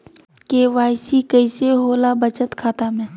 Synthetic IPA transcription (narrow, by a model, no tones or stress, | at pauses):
keʋaːɪsikəɪseɦoːlabət͡ʃət̪kʰaːt̪amẽː